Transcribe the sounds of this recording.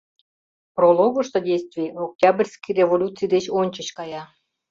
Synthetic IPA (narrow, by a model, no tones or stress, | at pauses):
prolˠoɣəʃt̪odʲejst̪vʲijok̚tʲɑbrʲsʲkijrʲevolʲut͡sɨjd̪et͡ɕonʲt͡ɕə̆t͡ɕkɑjɑ